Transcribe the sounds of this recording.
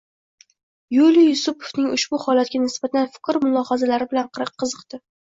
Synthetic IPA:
julijʊsʊpʰovnɪŋʊʃbʊhɒlat̪̚ɡʲanɪsbat̪ʰanfɪ̥kʲɾmʊlˠɒhazalaɾɪbɪlanqʰɨɾɨqʰːɨzɨqt̪ɪ

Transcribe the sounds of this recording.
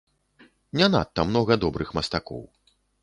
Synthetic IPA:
nʲana̰t̪ːɐmnɔɣɐd̪ɔbɾɨxmɐst̪akɔ̰w

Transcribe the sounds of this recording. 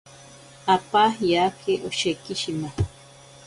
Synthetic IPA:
apajakʰeʔoʃekɪʃima

